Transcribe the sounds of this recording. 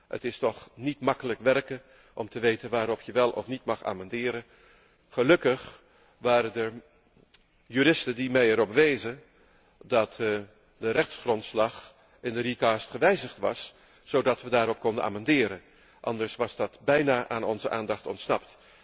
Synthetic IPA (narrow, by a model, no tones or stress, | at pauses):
ə̰tɪstɔχnitmɑkələkʋɛɹkə | ʔɔmtəʋejtənʋaːɾɔpjəʋɛlˠʔɔ̰fnitmɑχa̰ːmɑndɪːɾən | χəlɵkəχ | ʋaːɾədə | jyːɾɪstəndimɛjɛɾɔbəʋejzən | dɑt | dərɛχtsχrɔntslɑχ | ɪndərikaːstχəʋɛjzəχtʋɑ̰s | z̥owdɑtʋədaːɾɔp̚kɔndənʔa̰ːmɑndɪːɾən | ʔɑ̰ndəɹsʋɑzdɑtbɛjnaːʔaːnɔnzəʔa̰ːndɑχtɔ̰ntsnɑpt